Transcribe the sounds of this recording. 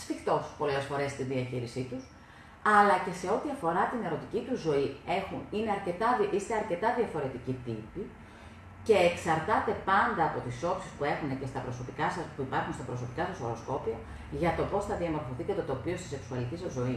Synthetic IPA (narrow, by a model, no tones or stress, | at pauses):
sfixt̪o̞spo̞le̞sfo̞ɾe̞st̪inðiɐçiɾisit̪us | ɐlɐce̞se̞o̞t̪iɐfo̞ɾɐt̪ine̞ɾo̞t̪icit̪uzːo̞ie̞xunine̞ɐɾce̞t̪ɐʔist̪e̞ɐɾce̞t̪ɐðiɐfo̞ɾe̞t̪icit̪ipi | ce̞ːksɐɾt̪ɐt̪e̞pɐnd̪ɐːpo̞t̪iso̞psispue̞xune̞ce̞st̪ɐpɾo̞so̞pikɐsɐspuipɐɾxunst̪ɐpɾo̞so̞pikɐsɐsoɾo̞sko̞piɐ | ʝɐt̪o̞po̞sθɐðiemo̞ɾfo̞θicɐt̪e̞t̪o̞pio̞st̪ise̞ksuɐlicisɐzːo̞i